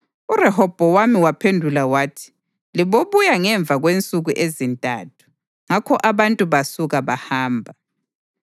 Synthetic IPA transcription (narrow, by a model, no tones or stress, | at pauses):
urɛhɔb̥ʱɔwamiwapʰendʱulawaːtʰi̥ | liβoβujaŋɛɱb̪vʱaɣwent͡sʼuɣuʔezintʼa̰tʰu̥ | ŋakʰɔʔaβantʼuβasuɣaβahaːmbʱa